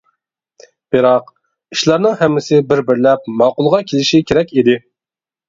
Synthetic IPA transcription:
b̥ɪɾɑq̚ | iʃlˠɑɾnɨŋhɛmːɪsɪbɪɾbɪɾlɛp̚mɑːqʊlˠʁɑkʲʰelɪʃikʲʰeɾɛkʲid̪ɪ

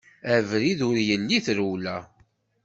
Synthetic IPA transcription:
ævɾiðʊɾjənːiθɾuwlæ

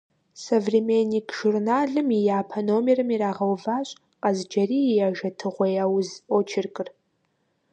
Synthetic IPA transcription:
sɐvrimeniːkʰʒ̥urnaːɮɨmijaːpʰɐnoːmirɨmiraːʁɐwvaːɕʼ | qʼɐzd͡ʒɐriːjaːʒɐtʰɨʁʷɐjaːwʊzot͡ʃʰɪrkʼɨr

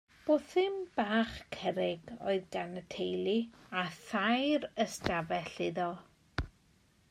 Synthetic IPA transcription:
b̥oːθɪmb̥aːχkʰɛɾɪɡɔ̰ɨðɡanətʰejlˠiaθajɾəstavɛɬɪðɔ

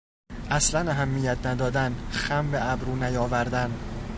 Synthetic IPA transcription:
ʔæslænæɦæmːijæt̪ʰnæd̪ɒːd̪ænxæmbeʔæbɾuːnæjɒːvæɾd̪æn

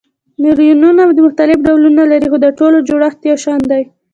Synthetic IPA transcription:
mɪljununawd̪əmʊxt̪alɪfɖawlunalaɾixod̪əʈolod͡ʒoɽaxt̪jɑʃɑnd̪aj

